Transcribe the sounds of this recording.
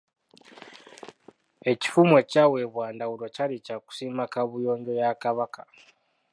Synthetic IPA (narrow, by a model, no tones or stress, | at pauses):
e̞ci̥fume̞cawe̞βwaːndawulo̞calicaku̥simakaβujo̞ːɲɟo̞jakaβakḁ